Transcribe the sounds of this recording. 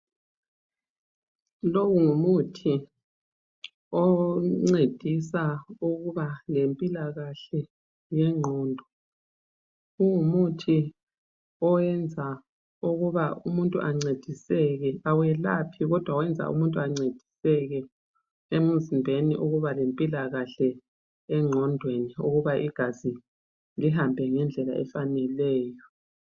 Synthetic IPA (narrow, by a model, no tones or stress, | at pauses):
loɣuŋumutʰi | ɔŋ͡ǀed̥ʱisauɣuβalempʼilaɣaɬɛ | jɛŋ͡ǁʱɔːndʱɔ | ɣuŋumutʰi | ɔwɛnd͡zʱa | uɣuβaumuntʼuʔaŋ͡ǀed̥ʱisɛɣɛawɛlapʰiɣɔd̥ʱwawɛnd͡zʱa̰ʔṵmuntʼuaŋ͡ǀed̥ʱi̥sɛɣɛ | emuzimbʱenḭʔuɣuβalempʼilaɣaɬɛ | ɛŋ͡ǁʱɔndʱweniuɣuβaʔiɡ̥ʱazi | liɦambʱɛŋɛnd͡ɮʱɛla̰ʔɛ̰fanɛlɛːjɔ